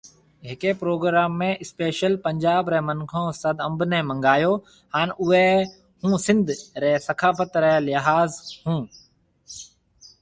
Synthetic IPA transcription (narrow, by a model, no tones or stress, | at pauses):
ɦɪkepɾoːɡɾaːmːẽɪspeːʃəlpɐ̃ɲd͡ʑaːbɾɛːmɐnkʰõːsɐd̪ɐ̃mbnɛmɐ̃ŋɡaːjoː | haːnʊɦe | hũːsɪ̃nd̪ʱɾɛːsɐkʰaːfət̪ɾɛlɪɦaːzhũː